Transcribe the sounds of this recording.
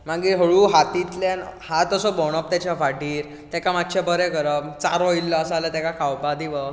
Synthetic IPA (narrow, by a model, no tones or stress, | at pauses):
maɡiɦəɭuːɦat̪it̪lanhat̪əsɔbɔɳ̃əp̚t̪at͡ɕafaɖiːɾ | t̪ɛkamat̪t͡ɕebəɾɛɡəɾəbt͡saɾɔilːɔːsalat̪ɛkakʰawbad̪iʋə